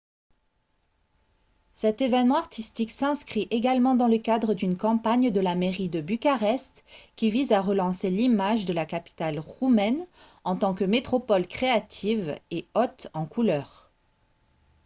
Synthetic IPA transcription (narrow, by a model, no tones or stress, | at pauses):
sɛt̪evɛnmɑ̃aʁt̪ist̪iksɛ̃skχiʔeɡalmɑ̃d̪ɑ̃ləkad̪ʁəd̪ynkɑ̃paɲd̪əlameʁid̪əbykaʁɛst̪kʲivizaʁəlɑ̃selimaʒd̪əlakapi̥t̪alʁumɛn | ɑ̃t̪ɑ̃kəmet̪χɔpɔlkχeat̪ʰiveɔt̪ɑ̃kulœːʁ